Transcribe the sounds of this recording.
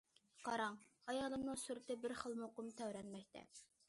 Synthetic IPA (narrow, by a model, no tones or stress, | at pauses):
qʰɑɾɑŋhɑjɑːlˠɨmnɨŋsuɾɪt̪ɪbɪɾχəlˠmɨoqʊmt̪ʰæwɾɛnmɛk̚ʲt̪ʰɛ̰